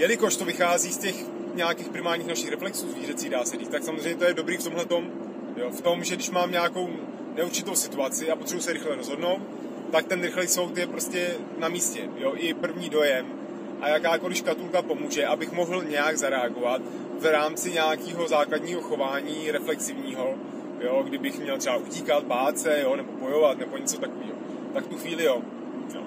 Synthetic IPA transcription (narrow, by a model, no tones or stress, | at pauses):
jɛlɪko̞ʃt̪o̞vɪxaːziːscɛx | ɲɛakiːxpɾɪmaːɾɲiːxnaʃɪxɾɛflɛksuːzviːrɛt̪t͡siːdaːsɛdiːxt̪aksamozreɛjɲːɛt̪ojɛdo̞bɾiːft̪o̞mlɛt̪o̞m | joft̪o̞mʒɛdɪʃmaːmɲɛako̞w | nɛuɾt͡ʃɪt̪o̞wsɪt̪uat͡sɪapot̪r̥ɛbus̬ɛɾɪxlɛɾo̞zɦo̞dno̞wt̪̚ | t̪ak̚t̪ɛnɾɪxlɛjso̞wt̪jɛpɾo̞scɛ | namiːscɛ̰jo̞ʔɪpr̩vɲiːdo̞jɛm | ʔa̰jakaːko̞lɪfkat̪ulkapo̞muːʒɛʔabɪxmo̞ɦl̩ɲɛjaɡzaɾɛaɡo̞vat̪ | vɾaːmt͡sɪɲaakiːɦo̞zaːkladɲiːɦo̞xo̞vaːɲiːɾɛflɛksɪvɲiːɦo̞ | joɡdɪbɪxmɲɛlt̪r̥ɛbaʔuciːkat̪̚baːt͡sɛjonɛbo̞bo̞jo̞vat̪nɛbo̞ɲɛt͡so̞t̪ako̞viːɦo | t̪akft̪uxviːlɪjo | o̰